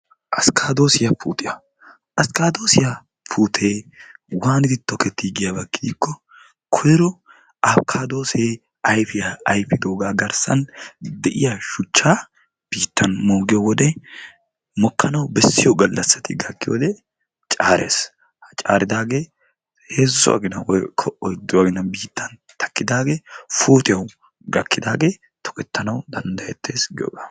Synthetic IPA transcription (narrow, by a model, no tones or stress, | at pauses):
ʔɐskʰaːd̪o̞ːsɪjɐfṵːt̪ʼɪjɐ | ʔɐskaːd̪o̞ːsɪjɐ | fuːt̪ʰeːwaːnɪd̪ɪt̪ːɔkɛt̪ːiɡɪjɐbɐkːɪd̪iːkːɔ | kʰɔjɛɾɔ | ɐfkʰaːd̪o̞ːse | ɐjfɪjɐɐjpɪd̪o̞ːɡaːɡɐɾsɐ̰nd̪ɛʔɪjɐʃʊt͡ʃːaː | b̥iːt̪ːɐnmoːɡɪjɔwɔd̪ɛ | mɔkːɐnɐwbɛsːɪjɔɡɐlːɐsːɐt̪ʰɪɡɐkːɪjo̰ːd̪ɛ | t͡ʃʼaːɾḛːs | ht͡ʃʼa̰ːɾɪd̪aːɡeː | heːzːʊ̰ʔɐ̰ɡɪnɐwɔkʰɔʔɔjd̪ːʊɐɡɪnɐbiːt̪ːɐn | t̪ʰɐ̥kːɪd̪aːɡeːfoːt̪ɪjɐw | ɡɐkːɪd̪aːɡeː | t̪ʰɔ̥kʼɛt̪ːɐnɐwd̪ɐnd̪ɐjɛt̪ʰːe̞ːsɡɪjo̰ːɡaː